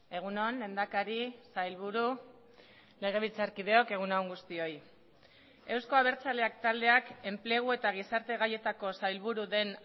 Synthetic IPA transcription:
e̞ɣ̞uno̞nle̞nd̪akaɾisajlβ̞uɾu | le̞ɣ̞e̞β̞ilt͡saɾkið̞e̞o̞ke̞ɣ̞unaoŋɡust̪io̞j | e̞wsko̞aβ̞e̞ɾt͡sale̞ak̚t̪ald̪e̞ake̞mple̞ɣ̞ue̞t̪aɣ̞isaɾt̪e̞ɣaje̞t̪ako̞sajlβuɾuðe̞n

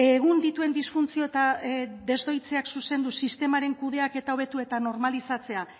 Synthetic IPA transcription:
e̞ɣ̞und̪it̪ue̞nd̪isfunt͡sio̞et̪ad̪e̞zd̪o̞jt͡se̞aksuse̞nd̪usist̪e̞maɾe̞ŋkuð̞e̞ake̞t̪ao̞βe̞t̪ue̞t̪ano̞ɾmalisat͡se̞a

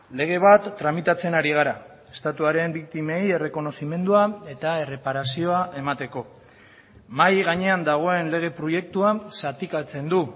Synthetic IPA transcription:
le̞ɣ̞e̞β̞at̪ːɾamit̪at͡se̞naɾiɣaɾa | e̞st̪at̪uaɾe̞mbik̚t̪ime̞je̞re̞ko̞no̞sime̞nd̪uae̞t̪ae̞re̞paɾasio̞aʔe̞mat̪e̞ko̞ | majɣaɲe̞and̪aɣ̞o̞e̞nle̞ɣ̞e̞pɾo̞je̞k̚t̪uasat̪ikat͡se̞nd̪u

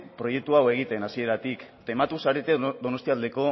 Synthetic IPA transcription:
pɾo̞je̞k̚t̪uawe̞ɣ̞it̪e̞nasie̞ɾat̪ikt̪emat̪usaɾe̞t̪eðo̞no̞st̪iald̪e̞ko̞

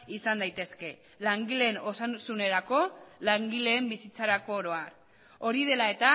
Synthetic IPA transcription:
isand̪ajt̪e̞ske̞ | laŋɡile̞no̞sansune̞ɾako̞laŋɡile̞ːmbisit͡saɾako̞ːɾo̞aɾ | o̞ɾið̞e̞lae̞t̪a

